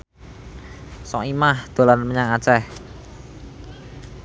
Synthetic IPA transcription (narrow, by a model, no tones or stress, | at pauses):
sɔimahd̪̥o̤lanməɲaŋat͡ʃɛh